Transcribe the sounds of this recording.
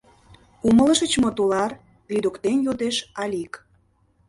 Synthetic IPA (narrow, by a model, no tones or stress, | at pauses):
umələ̆ʃə̆t͡ɕmot̪ulɑr | lid̪ukt̪enjod̪eʃɑlʲik